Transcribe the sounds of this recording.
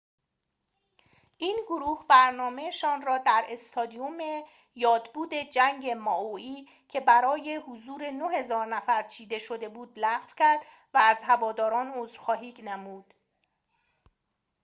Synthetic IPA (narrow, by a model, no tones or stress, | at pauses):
ʔiːnɡoɾuːhbæɾnɒːme̞ʃɒːnrɒːd̪æɾe̞st̪ʰɒːd̪iume | jɒːd̪buːd̪e̞d͡ʒæŋɟe̞mɒːʔoiː | cʰe̞bæɾɒːje̞huzuːɾe̞nohe̞zɒːɾnæfæɾt͡ʃʰiːd̪e̞ʃo̞d̪e̞buːd̪læʁvcʰæɾd̪ | væːzɦævɒːd̪ɒːɾɒːnozɾxɒːɦiːknæmuːd̪̥